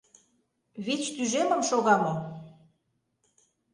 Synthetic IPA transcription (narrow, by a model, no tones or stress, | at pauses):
βit͡ɕt̪yʒemə̆mʃoɣɑmo